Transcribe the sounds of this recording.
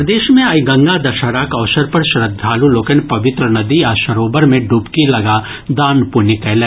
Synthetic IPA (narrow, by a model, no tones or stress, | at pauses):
d̪eːʃmẽɐjɡɐ̃ŋɡad̪ɐʃaɾaːkɐːsəɾpɐɾʃɾəd̪ʱːaːluloːkənpɐʋɪt̪ɾənɐd̪iaːʃɐɾoːbəɾmẽɖuːpkilɐɡa | d̪aːnpunɪkɛlɛ